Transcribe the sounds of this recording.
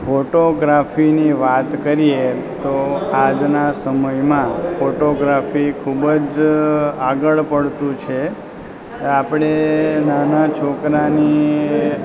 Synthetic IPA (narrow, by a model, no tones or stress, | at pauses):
fʰoʈoɡɾafʰiniʋat̪kəɾie | t̪oad͡ʒnasəməjmãfoʈoɡɾafʰikʰubəd͡ʒ | aɡəɭpəɽt̪ũt͡ʃʰe | apɳ̃enanat͡ʃʰokɾani